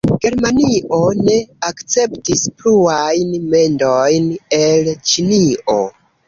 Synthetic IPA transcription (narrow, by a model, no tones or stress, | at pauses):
ɡ̥e̞ɾmaniʔo̞ne̞akt͡se̞ptispluajnme̞ndo̞jne̞lt͡ʃilio̞̰